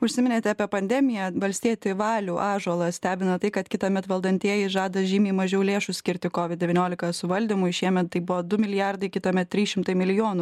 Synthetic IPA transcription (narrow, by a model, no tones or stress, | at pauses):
ʊʃʲsʲɪmʲɪnʲeːt̪ʲɛɑpʲeɛpɐnʲd̪ʲɛmʲɪjɛʋɐlʲsʲt̪ʲiɛt̪ʲɪʋɑːlʲuːʔɑːʒuɔlˠɐsʲt̪ʲæːbʲɪnɐt̪ɐɪkɐt̪kʲɪt̪ɐmʲɛt̪ʋɐlˠd̪ɐnʲt̪ʲiɛjɛɪʒɑːd̪ɐʒʲiːmʲiːmɐʒʲɛʊlʲeːʃʊsʲkʲɪɾʲt̪ʲɪkoːʋʲɪt̪d̚dʲɛʋʲiːnʲoːlʲɪkɐsʊʋɐlʲd̪ʲɪmʊɪʃʲiɛmʲɛt̪ːɐɪbʊʋɔd̪ʊmʲɪlʲɪjɑrd̪ɐɪkʲɪt̪ɐmʲɛt̪t̪ːʲɾʲiːsʃʲɪmt̪ɐɪmʲɪlʲɪjoːnu